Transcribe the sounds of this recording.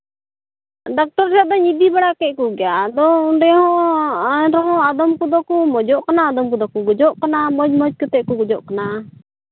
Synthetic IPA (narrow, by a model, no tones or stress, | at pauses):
ɖak̚ʈɔɾɾɛjaʔd̪ɔɲid̪ibaɽakɛʔ̚ˀkuɡɛjad̪ɔuɖɛhɔ̃ʔ | ɾɔɦɔ̃ad̪ɔmkud̪ɔkumɔd͡ʒɔʔkanaːd̪ɔmkɔd̪ɔkuɡɔd͡ʒɔʔkanamɔd͡ʒmɔd͡ʒkɔt̪ɛʔkuɡɔd͡ʒɔʔkana